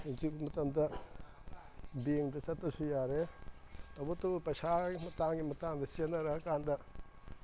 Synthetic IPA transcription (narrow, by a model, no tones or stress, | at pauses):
izip̚ɡimɐtɐmdɐ | beŋdɐt͡ʃɐtːɐsujaɾe | tɐwbɐtːɐbɐpɐjsaɡimɐtaŋɡimɐtaŋdɐsenːɐɾɐɦɐkandɐ